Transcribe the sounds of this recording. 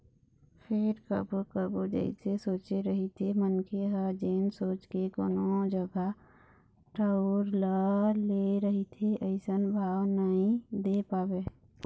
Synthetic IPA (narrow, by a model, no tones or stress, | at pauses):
pʰeɾkə̰bokəbod͡ʒə̰ɪsesoːt͡ʃeɾəɦit̪ʰemənkʰeɦəd͡ʒeːnsoːt͡ʃkeko̰ːnod͡ʒəɡa | ʈaʊɾləleɾəɦit̪ʰeʔəɪsənbʱaːwnəɦĩd̪epaːbe